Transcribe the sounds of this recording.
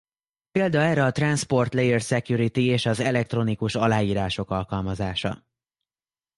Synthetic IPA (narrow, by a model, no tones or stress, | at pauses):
peːld̪ɒɛːɾɛɒt̪ranspo̞rt̪lɛjɛrsɛkjuɾit̪ieːʃɒzɛlɛk̚t̪ro̞nikuʃɒlaːjiːɾaːʃo̞kɒlkɒlmɒzaːʃɒ̰